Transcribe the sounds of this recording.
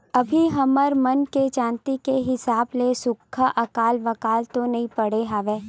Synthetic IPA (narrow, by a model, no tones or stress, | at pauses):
ɐbʱiɦɐməɾmɐnket͡ʃãːnt̪ikeɦɪsaːblesʊkʰːaʔɐkaːlʋɐkaːlt̪onɐɦĩpɐɽ̤eɦaːʋeː